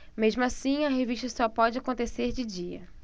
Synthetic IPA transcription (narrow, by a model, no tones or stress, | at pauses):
mezmʊasĩɐɦeviʃt̪ɐsɔpɔd͡ʒɪakõnt̪eseɾd͡ʒɪd͡ʒiɐ̰